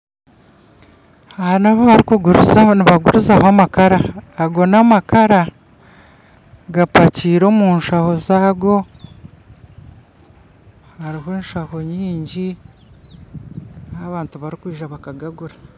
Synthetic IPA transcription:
ahanaβaβaɾikuɡuɾuzaniβaɡuɾuzahoamakaɾaːɡo̞namakaɾa | ɡapaciːɾo̞ːmunʃaho̞zaːɡo̞ | haɾiɦeːnʃaho̞ɲiːɲɟi | ahaβaːntuβaɾikwiːʒaβakaɡaɡuɾa

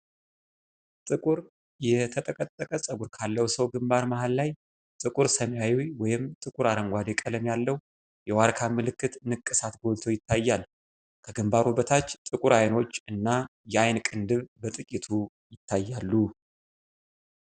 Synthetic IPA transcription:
t̪ʼɨkʼuɾ | jɛt̪ʰət̪ʼəkʼət̪ʼːəkʼəsʼəɡuɾkʰalːəwsəwɡɨmbaɾmahalːaj | t̪ʼɨkʼuɾsəmjajujwɔjɪmt̪ʼɨkʼuɾaɾəŋɡʷad̪ekʼələmjalːəwu | jɛwaɾkʰamɨlɨkːɨt̪nɨkʼːɨsat̪ɡo̞lt̪ʰo̞jɪt̪ʰːajːalː | kʰəɡɨmbaɾubət̪ʰat͡ʃːt̪ʼɨkʼuɾajno̞t͡ʃːɨnːajɛajnkʼɨnd̪ɨβbət̪ʼɨkʼit̪ʰu | jɪt̪ʰːajːalːu

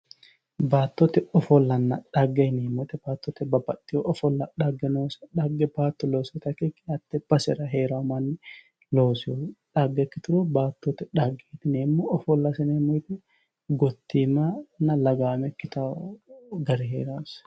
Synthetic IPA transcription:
baːt̪ːɔt̪ɛɔfɔlːɐnːɐᶑɐɡːeneːmːʊt̪ɛb̥aːt̪ːɔt̪ɛbɐbɐt̪ːɪjɔʔɔfɔlːɐᶑɐɡːɛnoːsɛᶑɐɡːɛbaːt̪ːɔloːsɪt̪ɐkːɛkːɪɐt̪ːɛb̥ɐsɛ̰ɾɐɦeːɾamɐnːɪ | loːsɪᶑaɡːɛkːɪt̪ʊɾʊbaːt̪ːot̪ɛᶑaɡeːt̪ɪneːmːoɔfɔlːɐsɛneːmːɔjt̪ɛ | ɡɔt̪ːiːmanːɐlɐɡaːmɛkːɪt̪a | ɡɐɾɪɦeːɾɐʊs

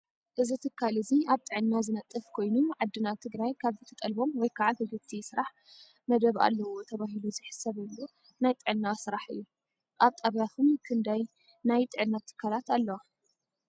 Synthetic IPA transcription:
ʔɨzit̪ʰɨkʰːalɨziaβt̪ʼɨʕɨnːazɨnɐt̪ʼːɨfkʰo̞jnuʕad̪ːɨnat̪ʰɨɡɾajkʰaβzɨt̪ʰɐt̪ʼɐlbo̞mwɔjkʰaʕahɨɡɨt̪ʰisɨɾaħ | mɐd̪ɐβa̰lːɐwo̞t̪ʰɐβaɦiluzɨħɨ̥sɐβɨlːu | najt̪ʼɨʕɨnːasɨɾaħɨ̰jːu | ʔaβt̪ʼɐβjat̪ʰumkʰɨnd̪aj | najt̪ʼɨʕɨnːat̪ʰɨ̥kʰːalat̪alːɐwa

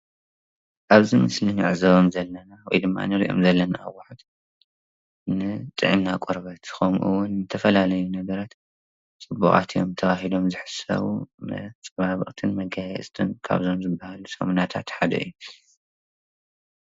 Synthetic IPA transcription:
ʔaβzimɨslinɨ̰ʕzɐβomzɐlːɐnawɔjd̪ɨmːa̰nɨɾḭʔo̞̰mzɐlːɐna̰ːwaħut̪ | nɨt̪ʼɨʕimnakʼoɾβɐt̪xɐmʔṵwʊnːɨt̪ʰɐfɐlalɐjunɐɡɐɾat̪ | t͡sʼɨbuχʼa̰t̪ʰio̰mt̪ʰɐβaɦilo̞mzɨħɨ̥sɐ̰βṵm̰t͡sʼɐβaβɨχʼt̪ʰɨnmɐɡajɛsʼt̪ʰɨnkʰa̰βzo̞mzɨbːahalusɐ̰munat̪ʰa̰t̪ħad̪ɐ̰ʔɨ̰jːu

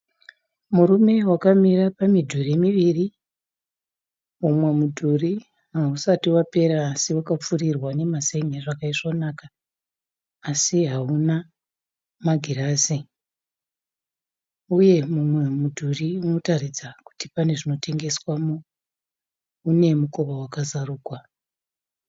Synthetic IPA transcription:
murume̞wakamirapamidʱuremiʋiri | mumwe̞mudʱuri | ɦausatiwape̞ɾaːsiwakap͡furirwane̞maseŋeʐakaiʐonaka | siɦauna | maɡʱiɾaːsi | uje̞mumwe̞mudʱuriuno̞tarid͡zaku̥tipane̞ʐino̞tʰe̞ŋɡe̞swamo | une̞mukoβawakazaruːkwa

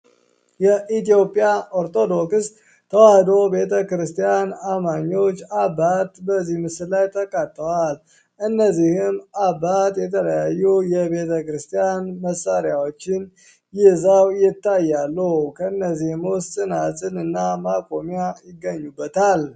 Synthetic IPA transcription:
jɛʔit̪ijo̞pʼjaʔoɾt̪ʰʼo̞d̪o̞kss | t̪ʰːəwahd̪o̞be̞t̪ʰəkɾɨst̪ʰijanamaɲːo̞t͡ʃːabat̪bəzːihmɨsɨllajt̪ʰəkʼat̪ʼːəwal | ʔɨnːəzihɪmabat̪jɛt̪ʰələjajːujɛbe̞t̪ʰəkɾɨst̪ʰijanməsaɾjawo̞t͡ʃːɪn | jɪhzawjɪt̪ːajːalːukʰəɨnːəzihməwst̪ʼɨnasʼɨnɨnːamakʼo̞mjajɪɡːəɲːubːət̪ʰal

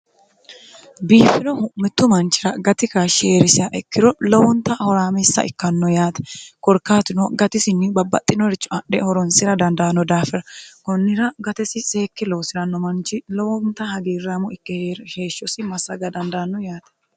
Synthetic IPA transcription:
biːfɪnɔhʊmɪt̪ːʊmɐnt͡ʃːɪɾɐɡɐt̪ɪkaʃeːɾɪsɪɐʔɛkːɪɾɔlɔwɔnt̪ːɐhɔɾaːmɛsːɐ̰ʔɪ̰kːɐnːɔjaːt̪ɛ̥kɔɾkaːt̪ɪnɔɡɐt̪ɪsɪnːɪbɐbːɐ̰t̪ʼːɪnɔɾɪt͡ʃːɔɐɗɛhɔɾɔnsɪɾɐd̪ɐnd̪aːnːɔd̪aːfɛɾɐkʊnːɪɾɐɡɐt̪ɛsɪsʼeːkːɪloːsɪɾɐnːɔmɐnt͡ʃːɪlɔwɔnt̪ɐhɐɡiːrːamʊɪkːɛɾheːʃːɔsɪmɐsːɐɡɐd̪ɐnd̪aːnːɔjaːt̪ɛ̥

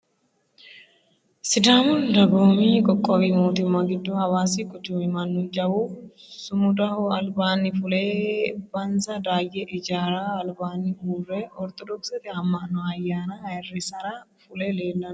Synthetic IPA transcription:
sɪd̪aːmʊnd̪ɐboːmiːkʼɔkʼːɔwiːmoːt̪ʊmːaɡɪd̪ːuːhɐwaːsikʼʊt͡ʃ̪ːʊmɪmɐnːʊd͡ʒɐwusʊmʊd̪ɐhɔɐlbaːnːɪfʊleːbɐnsɐd̪aːjɛʔɪd͡ʒaːɾaːɐlbaːnːɪʔuːrːeːʔɔɾt̪ɔd̪ɔksɐt̪ɪɐmːɐnɔɐjːaːnɐɪrːɪsɐɾaːfʊleːleːlːɐn

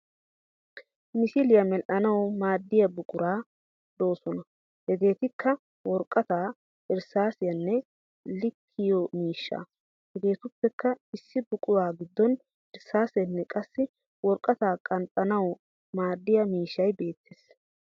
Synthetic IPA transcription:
mɪsɪlɪjɐmɛlʔɐnɐwmaːd̪ːɪjɐbʊkʼʊɾaː | d̪o̞ːsɔnɐ | hɛɡ̪e̞ːt̪ɪkːɐ | wɔɾkʼːɐt̪aː | ɪɾsaːsɪjɐnːɛ | lɪkʰːɪjɔmiːʃːa̰ː | hɛɡ̪e̞ːt̪ʊpːɛkːɐɪsːɪbʊkʼʊwaːɡɪd̪ːɔn | ʔɪɾsaːsɛnːɛkʼɐsːɪ | wɔɾkʼːɐt̪aːkʼɐnt̪ʼɐnɐw | maːd̪ːɪjɐmiːʃːɐjbe̞ːt̪ʰːeːs

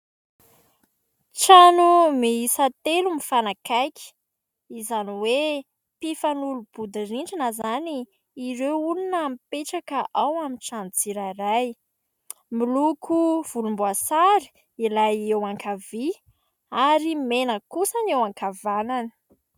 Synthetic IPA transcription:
ʈ͡ʂanumiisat̪elumifanakajkʲi̥ | izaniwe | pifanulub̥ud̪iriɳɖ͡ʐinəzaniː | ɾewulunəmipeʈ͡ʂakəʔawaminʈ͡ʂanut͡siɾaiɾaj | milukʰuv̥ulumbuasaɾi̥ | ilajewaŋkavi | aɾimenəkusanewaŋkavananə̥

